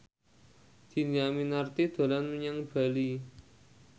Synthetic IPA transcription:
d̪̥i̤niaminart̪id̪̥o̤lanməɲaŋb̥a̤li

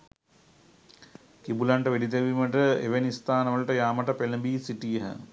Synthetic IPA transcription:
kibulaɳʈəʋeɖit̪̬eʋiməʈəḛʋenist̪aːnəʋəlʈəjaːmɐʈəpeləbiːsiʈijəɦə̰

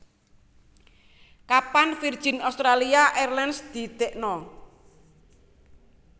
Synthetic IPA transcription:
kapanfird̥ʒ̥i̤nast̪ɾaliaʔɛrlɛnsd̪̥i̤t̪eʔnɔ

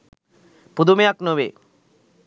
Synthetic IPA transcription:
pud̪umejaknoʋḛː

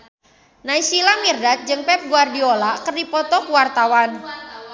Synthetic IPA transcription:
naisilamirdat̪̚d͡ʒɨŋpɛp̚ɡuardiolakərdipɔt̪ɔkuwart̪awan

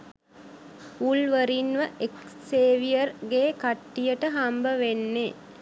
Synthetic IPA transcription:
ulʋəɾinʋəʔeksseːʋijərɡeːkaʈːijəʈəɦambəʋenːe

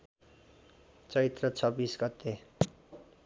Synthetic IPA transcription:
t͡sʌit̪rʌt͡sʰʌbisɡʌt̪e

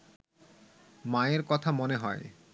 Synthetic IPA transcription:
maeɾkɔt̪ʰamoneɦɔe

